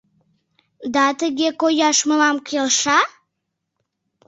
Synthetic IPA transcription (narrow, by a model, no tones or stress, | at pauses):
d̪ɑt̪əɡʲekojɑʃməlɑmkʲʰelʃɑ